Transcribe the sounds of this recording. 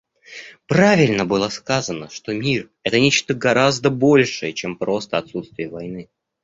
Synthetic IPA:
pɾavʲɪlʲnəbɨlˠəskazənəʂt̪o̞mʲir | ɛt̪ənʲet͡ɕt̪əɡɐɾazd̪əbo̞lʲʂɨjət͡ɕempɾo̞st̪əɐt̪sut̪st̪vʲɪjəvɐjnɨ

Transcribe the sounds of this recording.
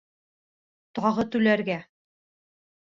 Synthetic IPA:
t̪ɑʁɤt̪ʉlæɾɡæ

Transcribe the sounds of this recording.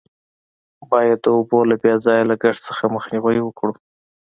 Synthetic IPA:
bɑjad̪ːəobolabjɑzɑjlaɡaʂsəxaməxniwajwəkɽu

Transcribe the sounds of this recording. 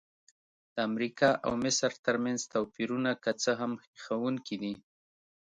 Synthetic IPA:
d̪̥əamɾikɑʔa̰wmɪsɾt̪əɾmanzt̪awpiɾunakət͡səɦamxxawuŋkʰid̪i

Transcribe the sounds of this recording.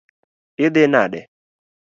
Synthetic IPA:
ɪd̪ɪnaɗɛ̰

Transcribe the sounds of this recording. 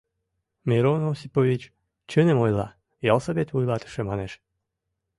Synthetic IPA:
mʲeɾonosipovʲit͡ɕ | t͡ɕənemojlˠɑ | jɑlˠsəbet̪vujlˠɑt̪ə̥ʃemɑneʃ

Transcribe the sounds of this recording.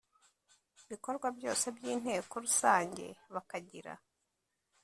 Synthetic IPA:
βiko̞ɾɡwabjo̞̰ːse̞bjiːn̥he̞ːko̞ɾusaːɲɟe̞̰βakaɟiɾa̰

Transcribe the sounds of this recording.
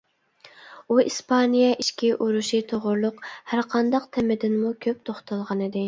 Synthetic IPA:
uispʰɑnijɛʔiʃkʲiʔuɾuʃit̪ʰoʁʊɾlˠʊqhæɾqʰɑnd̪ɑqt̪ʰɛmɪd̪ɪnmukʲʰøp̚t̪ʰoχt̪ʰɑlˠʁɑnɨd̪ɪ

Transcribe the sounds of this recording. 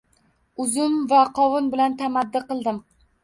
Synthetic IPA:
ʊzʊmvaqʰɒvʊnbɪlant̪ʰamad̪ːɪqɨlˠd̪ɪm

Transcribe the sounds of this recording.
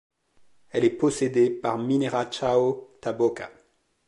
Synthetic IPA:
ɛlɛposed̪epaʁmineʁat͡ʃaot̪aboka̰

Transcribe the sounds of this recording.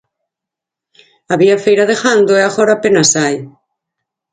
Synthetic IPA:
aβiafejɾaðexand̪oeaɣɔɾaːpenasaj

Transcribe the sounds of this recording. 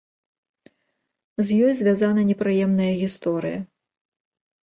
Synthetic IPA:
zʲjɔjzʲvʲazanɐnʲɛpɾɨjɛmnɐjɐɣʲist̪ɔɾɨ̰jɐ̰

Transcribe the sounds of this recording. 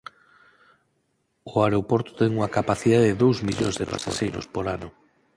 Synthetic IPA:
oaɾeopoɾt̪ʊ̥t̪ɛŋuŋakapaθiðaðeðeðowzmiʎo̰ŋzðepa̰saʃejɾo̰spoɾanʊ

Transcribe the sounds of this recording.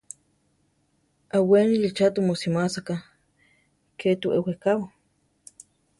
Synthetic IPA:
ʔawenilit͡ʃat̪umusimasaka | ket̪uʔewekawa

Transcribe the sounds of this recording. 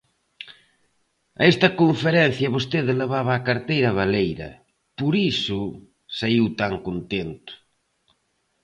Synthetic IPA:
ɐ̰est̪ɐkoɱfeɾɛn̟θjɐβost̪eðeleβ̞aβaːkaɾt̪ejɾɐβ̞alejɾɐ̰ | poɾisʊ | saiwt̪aŋkont̪ent̪ʊ̥

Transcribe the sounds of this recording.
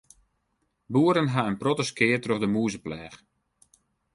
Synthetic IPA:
buəɾənɦaənprotəskɪətroχdəmuːzəplɛːx

